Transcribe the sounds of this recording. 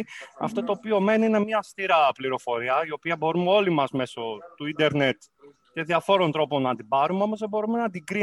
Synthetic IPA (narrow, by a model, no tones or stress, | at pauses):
ɐ̰ft̪o̞t̪o̞ːpiome̞niine̞mɲɐːst̪iɾɐpliɾo̞fo̞ɾiɐio̞piɐbo̞ɾumeo̞limɐzme̞so̞t̪uind̪e̞ɾnet̪ | ce̞ðiɐfo̞ɾo̞nt̪ɾo̞po̞nɐd̪ibɐɾumeo̞mozðebo̞ɾume̞nɐd̪iɡɾi